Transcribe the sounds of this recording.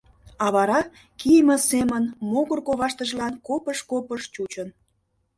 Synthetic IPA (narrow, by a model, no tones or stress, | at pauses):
ɑβɑɾɑ | kijmə̆semənmoɣərkoβɑʃt̪əʒlɑnkopəʃkopəʃt͡ɕut͡ɕən